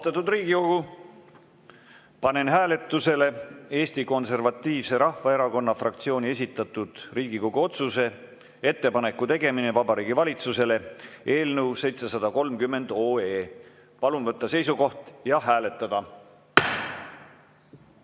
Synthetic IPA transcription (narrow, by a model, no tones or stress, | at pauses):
ost̪ɑt̪ːud̪riːɡ̥iko̞ɡ̥u | pɑne̞nɦæːle̞t̪ːˑuse̞le̞e̞ːst̪iko̞nse̞rvɑt̪ˑːiːvse̞ɾɑhvɑeɾɑko̞nːɑfrɑk̚t̪sio̞ːnʲie̞s̬ʲit̪ːˑɑt̪ːˑud̪̥riːɡiko̞ɡ̥uo̞t̪suse̞ | e̞t̪ːe̞pɑne̞kːˑut̪e̞ɡe̞minevɑbɑɾiːɡivɑlʲit̪suse̞le̞e̞ːlnewse̞jt̪se̞sɑd̪̥ɑko̞lmkymːe̞nd̪̥o̞ːeː | pɑlunvɤt̪ːɑse̞jsuko̞ht̪jɑɦæːle̞t̪ːˑɑd̪̥ɑ